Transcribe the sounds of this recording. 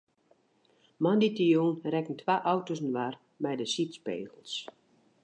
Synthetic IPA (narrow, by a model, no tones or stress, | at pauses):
manditijuːnrɛkən̩tʰʋaːʔɔwtosn̩ʋar | mɛjdəsitspḛːɣəlˠs